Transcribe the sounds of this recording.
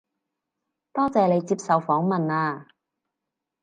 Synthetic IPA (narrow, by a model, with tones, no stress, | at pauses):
t̪ɔː˥t͡sɛː˨˧le˨˧jt͡siː˧p̚sɐ˨wfɔː˨˥ŋmɐ˨naː˧